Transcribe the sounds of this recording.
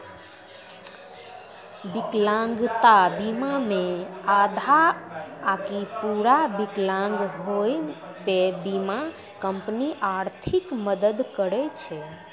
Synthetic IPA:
biklãŋɡt̪abimamead̪ʱaː | kipuɾabiklãŋɡɦoj | pebima | kəmpniʔaɾt̪ʰikməd̪əd̪kəɾɛt͡ʃʰɛ

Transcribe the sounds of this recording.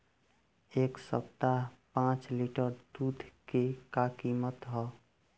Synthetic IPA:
eksə̰p̚t̪apãt͡ʃliʈəɾd̪ud̪ʱkekakimət̪ɦɔ

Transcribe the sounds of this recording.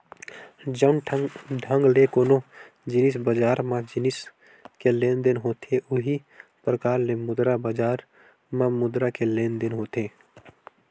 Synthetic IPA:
d͡ʒənɖʱə̃ŋɡlekoːno | d͡ʒɪnɪs̬bəd͡ʒaːɾmãd͡ʒɪnɪs | kelẽːnd̪ɪnɦoːt̪ʰeʔʊɦi | pɾəkaːɾlemʊd̪ɾabəd͡ʒaːɾ | mãmʊd̪ɾakeleːnd̪ɪnɦoːt̪ʰeː

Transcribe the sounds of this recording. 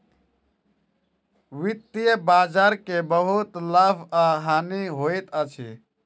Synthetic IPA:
ʋit̪ːijəbad͡ʒaɾkebəɦut̪ləbʰʱaɦaniɦojt̪ət͡ʃʰḭ

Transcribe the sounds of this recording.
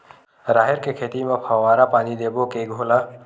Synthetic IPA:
ɾaːɦɪɾkekʰeːt̪imẽpʰaʋaːɾapaːnid̪eːbokeɡʱoːla

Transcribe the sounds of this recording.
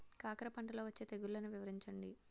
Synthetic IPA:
kaːkɐɾɐpɐɳʈɐlo̞ːʋɐt͡ʃːeːt̪eɡullɐnuʋiʋɐɾiɲt͡ʃɐɳɖḭ

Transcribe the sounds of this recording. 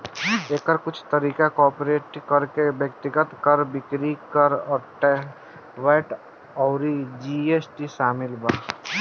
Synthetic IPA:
eːkəɾkʊt͡ʃʰt̪ɐɾiːkakɔːpɾeːʈkɐɾkebjəkt̪ɪɡət̪kəɾbɪkɾikɐɾɔːɾʈɛ | ʋeːʈ | ɔːɾid͡ʒiːeːsʈiʃaːmɪlbaː

